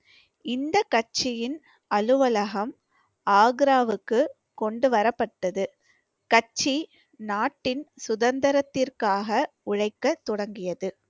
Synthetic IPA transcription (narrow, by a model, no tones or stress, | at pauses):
ɪnd̪ɐkːɐt͡ʃːɪjɪn | ɐlɯʋɐlɐɣɐm | aːɡɾaːʋɯkːɯ | kɔɳɖɯʋɐɾɐpːɐʈːɐðɯ | kɐt͡ʃːi | naːʈːɪnsʊðɐnd̪ɐɾɐt̪ːɪrkaːɣɐ | ʊɻɐɪkːɐt̪ːɔɽɐŋɡɪjɐðɯ